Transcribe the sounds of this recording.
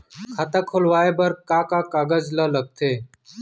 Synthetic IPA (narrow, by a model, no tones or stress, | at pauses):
kʰat̪əkʰolʋaːeːbəɾkaːkaːkaːɡəd͡ʒlələɡ̚t̪ʰeː